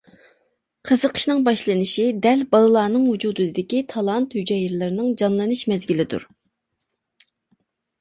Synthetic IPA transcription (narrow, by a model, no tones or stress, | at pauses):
qʰəzəqʰə̥ʃnɨŋbɑʃlˠɨnɪʃid̪ɛlbɑlˠɨlˠɑːnɨŋhud͡ʒuːd̪ɨd̪ɪkʲit̪ʰɑlˠɑnt̪hyd͡ʒɛjɪɾlˠɨɾɪnɨŋd͡ʒɑnlˠɨnɨʃmɛzɡʲilɪd̪ṵɾ